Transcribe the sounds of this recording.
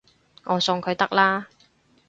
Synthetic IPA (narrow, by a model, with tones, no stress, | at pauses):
ŋɔː˨˧sʊ˧ŋkʰɵ˨˧ɥt̪ɐ˥k̚laː˥